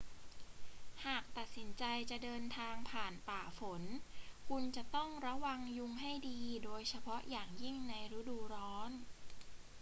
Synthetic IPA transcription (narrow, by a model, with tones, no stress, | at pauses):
haː˨˩k̚t̪a˨˩t̪̚si˩˦nt͡ɕa˧jt͡ɕa˨˩ʔdɤː˧nt̪ʰaː˧ŋpʰaː˨˩npaː˨˩fo˩˦nkʰu˧nt͡ɕa˨˩ʔt̪ɔ˥˩ŋɾa˧˥wa˧ŋju˧ŋɦa˥˩jdiː˧doː˧jt͡ɕʰa˧pʰɔ˦˥ʔjaː˨˩ŋji˥˩ŋna˧jɾa˦˥duː˧ɾɔː˦˥n